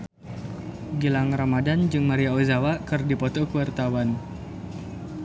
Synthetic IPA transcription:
ɡilaŋramadand͡ʒɨŋmaɾiaozawakɨrdipɔt̪ɔkuwart̪awan

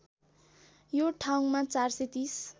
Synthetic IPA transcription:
joʈʰaw̃mat͡sarset̪is

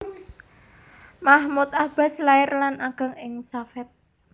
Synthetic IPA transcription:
mahmut̪̚ab̥a̤slaɪrlanaɡ̥a̤ŋɪŋsafɪt̪̚

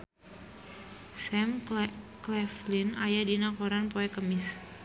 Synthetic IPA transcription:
sɛmklɛflɪnajadinakoɾanpoɛkəmɪs

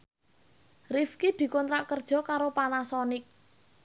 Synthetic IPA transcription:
rifkid̪̥i̤kɔnt̪ɾaʔkərd̥ʒ̥ɔ̤kaɾopanasɔnɪk̚

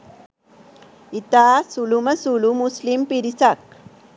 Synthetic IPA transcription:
it̪aːsulumɐsulumuslimpiɾisak̚

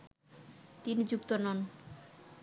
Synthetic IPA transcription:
t̪inid͡ʑukt̪onɔn

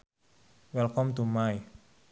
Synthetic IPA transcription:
wɛlkɔmt̪umaj

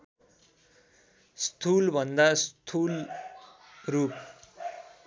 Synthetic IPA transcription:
st̪ʰulbʱʌnd̪ast̪ʰul | rup

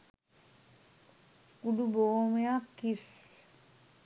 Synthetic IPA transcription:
kuɖubomejakːis

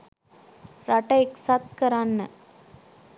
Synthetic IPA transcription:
ɾɐʈɐɪksaːt̪̚kɐɾaːnːɐ

